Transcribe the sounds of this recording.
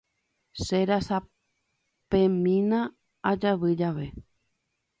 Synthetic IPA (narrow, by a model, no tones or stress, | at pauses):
seɾasa | pẽmĩnã | ad͡ʒaʋɨd͡ʒaʋe̞